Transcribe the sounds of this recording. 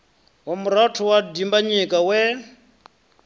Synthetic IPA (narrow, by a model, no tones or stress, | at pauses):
wamuɾatʰɔwadimbaɲikʼawɛ